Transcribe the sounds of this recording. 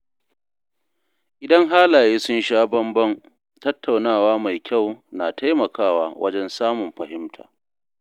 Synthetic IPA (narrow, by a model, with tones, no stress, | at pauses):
ʔɪ˨dɐ˦ŋɦaː˦laː˨jeː˦sʊ˦nʃaː˦bɐ˦mbɐ˦ŋ | tɐ˦tʰːa˨wnaː˦˨waː˦ma˨jkʲʰa˦˨wnaː˨tʰa˦jmɐ˨kaː˦˨wa̰ː˦wʔɐ̰˦d͡ʒɛ˦nsaː˦mʊ˨mɸɐ˨hɪ˦mtʰa̰ː˨